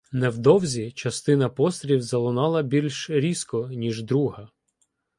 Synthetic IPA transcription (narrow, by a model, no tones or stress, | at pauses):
nɛwd̪ɔwzʲit͡ʃɐst̪ɪnɐpɔst̪ɾʲiwzɐlˠɔnɑlˠɐbʲilʲʃɾʲiskɔnʲiʒd̪ɾuɦɐ